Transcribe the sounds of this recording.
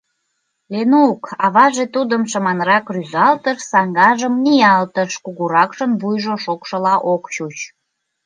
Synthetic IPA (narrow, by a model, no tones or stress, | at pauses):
lenukɑβɑʒet̪ud̪əmʃəmɑnɾɑkryzɑlt̪əʃsɑŋɡɑʒəmniɑlt̪əʃkuɣuɾɑkʃənβujʒoʃokʃə̆lɑʔokt͡ɕut͡ɕ